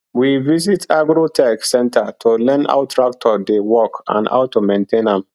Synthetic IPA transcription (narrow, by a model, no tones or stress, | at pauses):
wivis̬itʰaɡɾotʰɛksɛ̃ntʰətʰolɛ̃na̰wtʰɹak̚tʰɔdewɔkã̰na̰ʊtːumẽntʰẽnãm